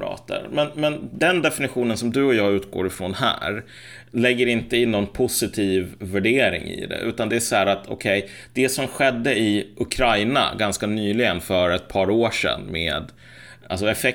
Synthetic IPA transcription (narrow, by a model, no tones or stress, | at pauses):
ɾɑ̰ːt̪ə̰ɾmɛnmɛnd̪ɛnd̪ɛfɪnɪɧuːnənsɔmd̪ɵɔjɑːɡʉ̟ːt̪̚ɡo̰ːɾɪfɾɔnhæ̰ːɾ | lɛɡːəɾɪnt̪əɪnːɔnpʰʊsɪt̪ʰiːvːæɖeːɾɪ̰ŋɪ̰d̪ɛ̰ʔʉ̟ːt̪and̪ɛæʂɔhæːɾat̪ʰɔ̰kʰɛj | d̪̥ɛsɔmɧɛd̪ːəɪʔʊkʰɾajna̰ɡanskanyːlɪɡənfœɾɛt̪̚pʰɑːɾoːʂɛ̰nːmḛːd̪ | a̰lsɔɛfɛ